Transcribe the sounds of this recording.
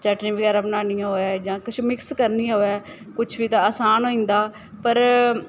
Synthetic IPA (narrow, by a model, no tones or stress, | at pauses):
t͡ʃəʈnĩːbəɡɛːɾaːbənaːnijãːɦoːɛːd͡ʒãːkʊt͡ʃʰmɪkskəɾniːãɦoːɛː | kʊt͡ʃʰbiːt̪ãːaːsaːnɦoːĩːnd̪aː | pəɾ